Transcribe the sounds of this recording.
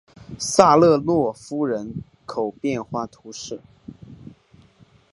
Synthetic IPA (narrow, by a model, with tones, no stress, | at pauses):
sa˥˧lɤ˥˧lwɔ˥˩fu˥ɻə˧˥n | kʰo˨˩ʊpjɛ˥˧nxwa˥˩t̪ʰu˧˥ʂɻ̩˥˩